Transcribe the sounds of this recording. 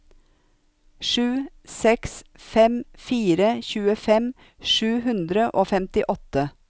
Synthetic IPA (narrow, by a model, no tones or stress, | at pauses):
ʂʉː | sɛksfɛmfiːɾəçʉːəfɛm | ʃʉːhʉnd̪ɾəʔoːfɛmt̪ɪʔɔt̪ə